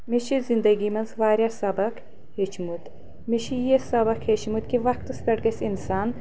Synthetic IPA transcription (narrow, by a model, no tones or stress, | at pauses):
miʃizind̪ɐɡimɐnzʋaːɾʲjasɐbɐk | heːt͡ʃʰmut̪ | miʃijesɐbɐkheːt͡ʃʰmut̪kiʋɐkt̪ɨskɐʈɡɐsinsaːn